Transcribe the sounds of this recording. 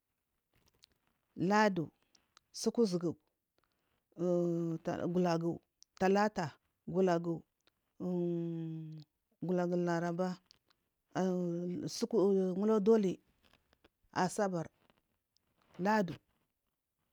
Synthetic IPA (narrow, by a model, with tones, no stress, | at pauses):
la˦du˨ | su˦ku˦zi˨ɡu˨ | ɡu˨la˨ɡu˨u˨ | ta˨la˦ta˨ | ɡu˨la˨ɡu˨ | ɡu˨la˨ɡu˨la˨ɾa˨ba˦˨ | su˦ŋu˦lo˦do˦li˨ | a˨sa˦ba˨ɾ | la˦du˨